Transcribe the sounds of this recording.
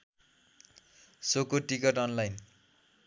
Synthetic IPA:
sokoʈikʌʈʌnlajn

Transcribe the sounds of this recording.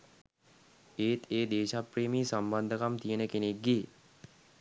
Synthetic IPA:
eːt̪ʰeːd̪eːʃapreːmiːsamband̪əkamt̪ijənəkenek̚ɡe

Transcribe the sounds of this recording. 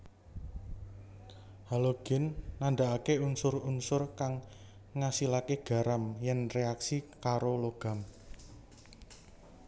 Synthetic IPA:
haloɡ̥ɪ̤nːand̪aakeunsʊrunsʊrkaŋː | asilakeɡ̥a̤ɾamjɛnreaksikaɾoloɡ̥ä̤m

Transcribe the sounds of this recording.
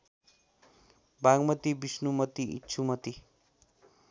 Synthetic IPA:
bãɡmʌt̪ibisnumʌt̪iḭtːt͡sʰumʌt̪i

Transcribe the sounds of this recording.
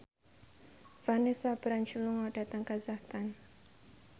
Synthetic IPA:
v̥anɛsabɾant͡ʃiluŋɔd̥a̤t̪aŋkazaht̪an

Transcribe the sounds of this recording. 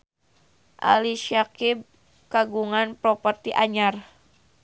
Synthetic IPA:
ʔa̰liʃakib̚ | kaɡuŋanpɾɔpərt̪iʔaɲar

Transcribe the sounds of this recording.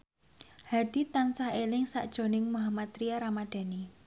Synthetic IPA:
had̪̥i̤t̪ant͡ʃahelɪŋsa̰ʔd̥ʒ̥o̤nɪŋmuɦamat̪ɾiaɾamad̪̥a̤ni

